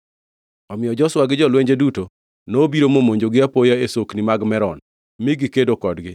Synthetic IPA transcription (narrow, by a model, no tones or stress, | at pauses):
ɔmɪjɔd͡ʒɔswaɡɪd͡ʒɔlweɲd͡ʒeduto | nobiɾomomoɲd͡ʒoɡɪapojaesoknimaɡmɛɾɔn | mɪɡɪkedokɔdɡɪ